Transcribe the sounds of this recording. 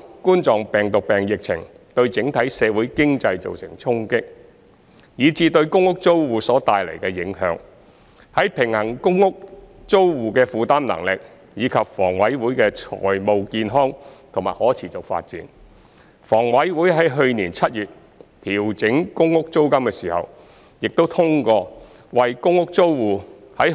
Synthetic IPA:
kuː˥nt͡sɔː˨ŋpɛː˨ŋt̪ʊ˨k̚pɛː˨˩ŋjɪ˨k̚t͡sʰɪ˨˩ŋ | t̪ɵ˧ɥt͡sɪ˨˥ŋt̪ʰɐ˨˥jsɛː˨˧wuː˨˥jkɪ˥ŋt͡sɐ˧jt͡so̰˨wsɪ˨˩ŋt͡sʰʊ˥ŋkɪ˥k̚ | jiː˨˧t͡siː˧t̪ɵ˧ɥkʊ˥ŋʊ˥k̚t͡so˥wwuː˨˧sɔː˨˥t̪aː˨jlḛ˨˩jkɛː˧jɪ˨˥ŋhœ̰ː˨˥ŋ | hɐ˨˥jpʰɪ˨˩ŋhɐ˨˩ŋkʊ˥ŋːʊ˥k̚t͡so˥wwuː˨kɛː˧fuː˨˧t̪aː˥nlɐ̰˨˩ŋlɪ˨k̚ | jiː˨˧kʰɐ˨p̚fɔː˨˩ŋwɐ˨˥jwuː˨˥jkɛː˧t͡ʃʰɔ̰ː˨˩jmo˨˧wkiː˧nɦɔː˥ŋt̪ʰŋma̰ː˨˩jhɔː˨˥t͡sʰiː˨˩t͡sʊ˨k̚fa̰ː˧t̚t͡sḭː˨˧n | fɔː˨˩ŋwɐ˨˥jwuː˨˥jɦɐ˨˥jɦɵ˧ɥniː˨˩nt͡sʰɐ˥t̚jyː˨˩t̚ | t̪ʰiː˨˩wt͡sɪ˨˥ŋkʊ˥ŋːʊ˥k̚t͡so˥wkɐ˥mkɛː˧siː˨˩hɐ̰˨w | jɪ˨k̚t̪o˥wt̪ʰʊ˥ŋkɔː˧ | wɐ˨jkʊ˥ŋʊ˥k̚t͡so˥wwuː˨˩ | hɐ˨˥j

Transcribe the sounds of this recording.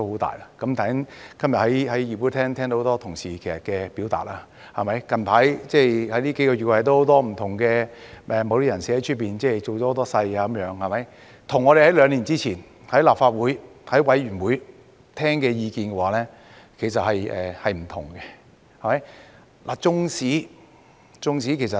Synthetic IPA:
t̪o˥who˨˥wt̪a̰ː˨jlaː˧˥kɐ˨˥mt̪ʰa˨i˥ŋkɐ˥mjɐ˨t̚hɐ˨˦˥jhɐ˨˥jjiː˨˩puː˨˥t̪ʰɛː˥ŋt̪ʰɛ˥ŋt̪ho˧˥t̪ɔː˥t̪ʰʊ˨˩ŋsiː˨˩kʰe˨˩sɐ˨˩tkɛː˧pi˨˥wt̪a̰ː˨t̚laː˧ | hɐ˨˩mɐ˨˥jkɐ˨nt̪ʰaː˨˥jt͡sɛː˥˩jhɐ˨˥jliː˥ke˨˥kɔː˧ɥy˨t̚kwt̪o˥ho˨˥wt̪ɔː˥m̩˨˩t̪ʰʊ˨˩ŋkɛː˧ʔɛː˨mo˨˧wliː˥jɐ˨˩nsiː˨˥hɐ˨˥jt͡ʃ̚ʰpiː˨nt͡sɛː˥˩t͡so˨wt͡ɕɔ˨˥ho˧˥t̪ɔː˥sɐ˧jaː˧kmjœː˨˥ŋhɐ˨˩mɐ˨˦j | t̪ʰʊ˨˩ŋːɔː˨˧ɾe˨jhɐ˨˥jlœː˨˧ŋliː˨˩nt͡siː˥t͡sʰiː˨˩n | hɐ˨˥jlaː˨pfaː˧t̚wuː˨˥j | hɐ˨˥jwɐ˨˥jɥyː˨˩nwuː˨˥j | t̪ʰɛː˥ŋkɛː˧jiː˧kiː˧nkɛ˧waː˨˥lɛː˥ | kʰe˨˩sɐ˨t̚hɐ˨jɛ̰ː˨hɐ˨jm̩˨˩t̪ʰʊ̰˨˩ŋkɛ˧ | hɐ˨˩mɐ˨˦j | la˨˩t͡sʊ˧ŋsiː˨˥ | t͡sʊ˧ŋsiː˨˥kʰe˨˩js̬ɐ˨

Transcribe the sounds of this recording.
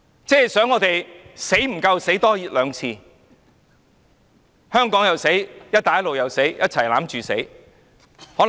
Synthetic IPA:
t͡sɛː˥˩sœː˨˥ŋɔː˨˧t̪e˨jse˨˥jm̩˨˩kɐ˧wse˨˥jt̪ɔː˥ji˨˥t̚lœː˨˧ŋt͡sʰiː˧ | hœː˥ŋkɔː˨˥ŋjɐ˨wse˨˥jjɐ˥t̚t̪aː˨jɐ˥tlo˨wjɐ˨wse˨˥jjɐ˥t̚t͡sʰɐ˨˩jlaː˨˥mt͡ʃyː˨se˨˥j | hɔː˨˥

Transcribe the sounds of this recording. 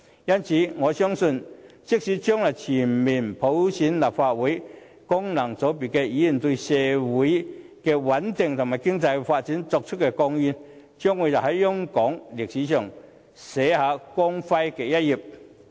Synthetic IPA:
jɐ˥nt͡sʰiː˨˥ŋɔː˨˧sœ˥ŋsɵ˧nt͡sɪ˥k̚siː˨˥t͡ɕœː˥ŋlɐ˨˩jt͡sʰiː˨˩nmiː˨˩npʰo˨˥wsiː˨˥nlaː˨˩p̚faː˧t̚wuː˨˥j | kʊ˥ŋnɐ˨˩ŋt͡so˨˥wp̬i˨˩kɛː˧jiː˨˥˨nt̪o˧sɛː˨˩wuː˨˥j | kɛː˧wɐ˨˥nt̪ɪ˨˩ŋt̪ʰʊ˨˩ŋmaː˨˩jkɪ˥ŋt͡sɐ˧jfaː˧t̚t͡si˨˥nt͡sɔ˧k̚t͡ʃʰə˥kɛ˧kɔ˧ŋjy˧n | t͡ʃœː˥ŋwu˨˥jt͡sa˨˩hɐ˨˥jːʊ˥ŋkɔː˨˥ŋlɪ˨k̚siː˨˥t͡ʃʰœː˨˩ŋ | sɛː˨˥haː˨˧kɔ˥ŋfɐ˧jkɛ˨˧˩jɐ˥t̚ji˨˩p̚

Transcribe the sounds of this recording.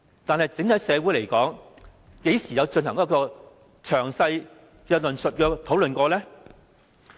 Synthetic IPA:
t̪aː˨nhɐ˨jt͡sɪ˨˥ŋhɐ˨˥jsɛː˨˧wuː˨˥jle˨˩jkɔː˨˥ŋ | ke˨˥jsiː˨˩jɐ˨˧wt͡sɵ˧nhɐ˨˩ŋkɔ˦˥kɔː˧ | t͡ʃʰœː˨˩ŋsɐ˧j | kɛː˧lɵ˨nsɵ˨t̚kɛː˧t̪ʰo˨˥wlɵ˨nkɔː˧lɛː˥

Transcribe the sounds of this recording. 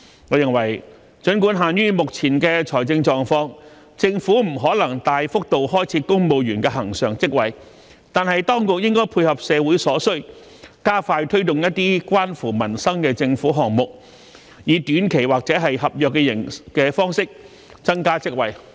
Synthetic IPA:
ŋɔː˨˧jɪ˨˩ŋwɐ˨˩j | t͡ʃɵ˨˥nkuː˨˥nɦaː˨njyː˥mʊ˨k̚t͡sʰiː˨˩nkɛː˧t͡ʃʰɔː˨˩jt͡sɪ˧ŋt͡sɔː˨˧ŋfɔː˧˥ŋ | t͡sɪ˧ŋfuː˨˥m̩˨˩ɦɔː˨˥lɐ˨˩ŋt̪aː˨jfʊ˥k̚t̪o˨whɔː˥jt͡sʰiː˨˥kʊ˥ŋmo˨wjyː˨˩nkɛː˧ɦɐ˨˩ŋsœː˨˩ŋt͡sɪ˥k̚wɐ˨j | t̪aː˨nhɐ˨jt̪ɔː˥ŋkʊ˨k̚jɪ˥ŋkɔː˥jpʰuː˧jhɐ˨p̚sɛː˨˧wuː˨˥jsɔː˨˥sɵ˥ɥ | kaː˥faː˧jt̪ʰɵ˥ɥt̪ʊ˨ŋjɐ˥t̪ːiː˥kʷwaː˥nfuː˨˩mɐ˨˩nsɐ˥ŋkɛː˧t͡sɪ˧ŋfuː˨˥ɦɔː˨ŋmʊ˨k̚ | jiː˨˧t̪yː˨˥nkʰe˨˩jwaː˨k̚t͡sɛː˨˥ɦɐ˨jhɐ˨p̚jœː˨kːɛː˧jɪ̰˨˩ŋkɛː˧fɔː˥ŋsɪ˥k̚ | t͡sɐ˥nkaː˥t͡sɪ˥k̚wɐ˨j

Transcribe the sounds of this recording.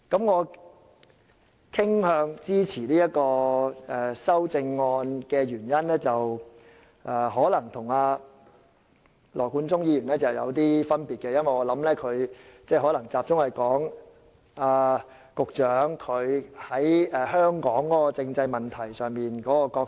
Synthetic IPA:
kɐ˨˥mŋɔː˨˧ | kʰɪ˥ŋhœː˨˧ŋt͡siː˥t͡sʰiː˨˩liː˥jɐ˥t̚kɔː˧ɛː˨sɐ˥wt͡sɪ˧ŋːɔː˧nkɛː˧jyː˨˩njɐ˥nɛː˥t͡sɐ˨w | ʔɛː˨˧ɦɔː˨˥lɐ˨˩ŋt̪ʰʊ˨˩ŋaː˧ | lʔɔː˨˩kuː˨˥nt͡sʊ˥ŋjiː˨˧jyː˨˩nɛː˥t͡sɐ˨wjɐ̰˨˧wt̪iː˥fɐ˥npiː˨t̚kɛː˧jɐ˥nwɐ˨jŋɔː˨˧lɐ˨˥mlɛː˥kʰɵ˨˧ɥt͡sɛː˥˩ɦɔ˨˥lɐ˨˩ŋt͡saː˧p̚t͡sʊ˥ŋhɐ˨jkɔː˨˥ŋ | aː˧ | kʊ˨k̚t͡ʃœː˨˥ŋkʰɵ˨˧ɥhɐ˨˥jɛː˨hœː˥ŋkɔː˨˥ŋkɔː˨˥kɔ˧t͡sɪ˧ŋt͡sɐ˧jmɐ˨˩nt̪ʰɐ˨˩jsœː˨˩ŋmiː˨nkɔː˨˥kɔː˧kɔː˧k̚

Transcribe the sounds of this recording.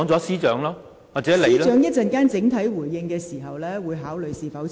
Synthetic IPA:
ŋt͡sɔː˨˥siː˥t͡ʃœ̰ː˨˥ŋlɔː˥ | waː˨k̚t͡sɛ˨˦le˨iː˧˥jlt͡ʃœː˨˥ŋjɐ˥t̚t͡sɐ˨˧nkaː˥nt͡sɪ˨˥ŋt̪ʰɐ˨˥jwuː˨˩jːɪ˧ŋkɛː˧siː˨˩ɦɐ˨wlɛː˥wuː˨˧jɦaː˨˥wlɵ˨ɥjsiː˨˧fɐ˨˥w

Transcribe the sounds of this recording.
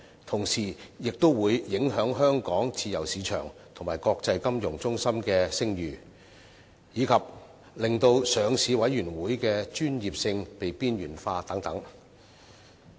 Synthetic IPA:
t̪ʰʊ˨˩ŋsiː˨˩jɪ˨k̚t̪o˥wwuː˨˧jːɪ˨˥ŋɦœː˨˥ŋɦœː˥ŋkɔː˨˥ŋt͡sʰiː˧jɐ˨˩wsiː˨˧t͡ʃʰœ̰ː˨˩ŋt̪ʰʊ˨˩ŋmaː˨˩jkɔː˧k̚t͡sɐ˧jkɐ˥mjʊ˨˩ŋt͡sʊ˥ŋsɐ˥mkɛː˧sɪ˥ŋjyː˨˩ | jiː˨˧kʰɐ˨p̚ | lɪ˨˩ŋt̪o˧wsœː˨ŋsiː˨˧wɐ˨˥jɥyː˨˩nwuː˨˥jkɛː˧t͡ʃyː˥njiː˨p̚sɪ˧ŋpe˨jpiː˥njyː˨˩nfaː˧t̪ɐ˨˥ŋt̪ɐ˨˥ŋ

